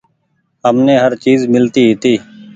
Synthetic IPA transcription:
ɦəmneːɦəɾt͡ʃiːzmɪlt̪iːɦɪt̪iː

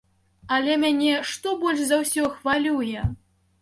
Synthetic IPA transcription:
alʲɛmʲanʲɛʂt̪ɔbɔlʲʂzɐwsʲɔxvalʲujɛ

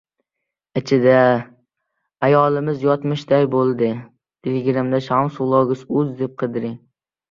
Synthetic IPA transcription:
ɪt͡ʃʰɪd̪a | ajɒlˠɪmɪzjɒt̪mɪʃd̪ajbolˠd̪ɪ | d̪̥ɪlɡʲɪɾɪmd̪aʃamsʊlˠɒɡʲɪsʊzd̪ep̚qʰɨd̪ɪɾɪŋ

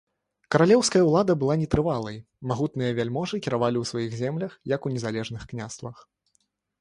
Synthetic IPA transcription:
kɐɾalʲɛwskɐjɐwlˠad̪ɐbɨlˠanʲɛt̪ɾɨvalˠɐj | maɣut̪nɨjɐvʲalʲmɔʐɨkʲɛɾavalʲiwsvajiɣzʲɛmlʲɐxjɐkunʲɛzalʲɛʐnɨxknʲast̪vɐx

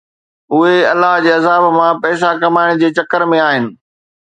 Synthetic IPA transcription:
ʊɦeɐlːaɦd͡ʑeːɐzaːbmãpɛːs̬akɐmaːɪɽ̃d͡ʑeːt͡ɕɐkəɾmẽaːɦɪnɪ̆

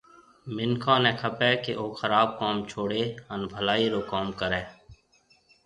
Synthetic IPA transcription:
mɪnkʰãːneːkʰəpɛːkeʔoːxəɾaːb̚kaːmt͡ʃʰoːɽeːənbʱəlaːiːɾoːkoːmkəɾɛː

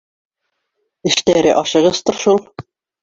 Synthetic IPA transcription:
ɘ̆ʃt̪æɾɘʔɒʃɤ̆ʁɤst̪ɤ̆ɾʃulˠ

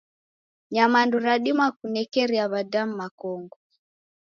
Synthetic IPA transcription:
ɲamanduɾaɗimakunɛkɛɾiaβadam̩makɔŋɡɔ

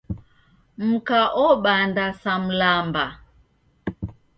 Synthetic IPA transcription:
m̩kaʔɔɓandasam̩lamba

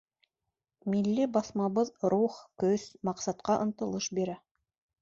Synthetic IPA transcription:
milːɘbɑθmɑβɤðɾuχkɵz̥mɑqsɑt̪qɑʔɤ̆nt̪ɤ̆lˠɤʃbiɾæ

